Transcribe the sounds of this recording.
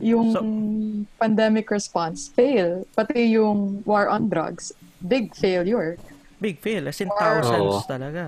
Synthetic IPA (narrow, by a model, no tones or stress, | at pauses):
jʊŋ | pɐnd̪ɛmɪkɹɛspansfejlpɐt̪ɪjʊŋwɔɹʔɔ̃nd̪ɾɐ̰ɡsbɪɡ̚fejljʊɹ | bɪɡ̚fejlɐsɪ̃nt̪awɐt̪ɐlɐɡa